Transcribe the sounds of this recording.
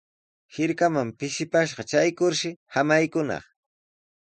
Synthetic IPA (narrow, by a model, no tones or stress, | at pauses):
hɪɾkamampɪʃɪpaʃɢɑt͡ʃajkʊɾʃɪhamajkʊnɑ̰χ